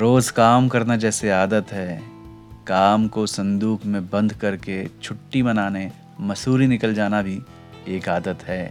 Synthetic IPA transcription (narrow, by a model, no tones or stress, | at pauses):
ɾoːzkaːmkɐɾnad͡ʒɛːseaːd̪ət̪ɦɛː | kaːmkosɐ̃nd̪uːkʰmẽbɐ̃nd̪ʱkɐɾket͡ʃʰʊʈːimɐnaːne | mɐsuːɾinɪkəld͡ʒaːnabʱi | eːkaːd̪ət̪ɦɛː